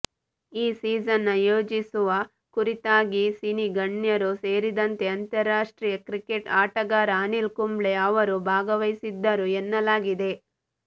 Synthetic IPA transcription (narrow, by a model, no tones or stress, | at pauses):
iːsiːd͡ʒɐnːɐjoːd͡ʒisuʋɐ | kuɾit̪aːɡisiniɡɐɳjɐɾuse̞ːɾid̪ɐnt̪e̞ɐnt̪ɐɾːaːʂʈɾiːjɐkɾikeʈaːʈɐɡaːɾaːnilkumbɭe̞ɐʋɐɾubʱaːɡɐʋɐjsid̪ːɐɾuenːɐlaːɡid̪e̞